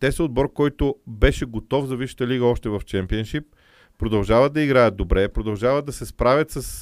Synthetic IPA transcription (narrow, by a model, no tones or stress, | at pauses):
t̪ɛsod̪bɔɾkɔjt̪ʊbɛʃɛɡot̪ɔfzɐviʃə̥t̪əliɡəɔʃt̪ɛvɐft͡ʃɛmpiɛnʃip̚ː | ɾod̪ɐlˠʒavət̪ːɐiɡɾajəd̪̚d̪obɾɛpɾod̪ɐlˠʒavəd̪̚ɐsɛspɾavʲɐt̪sɐs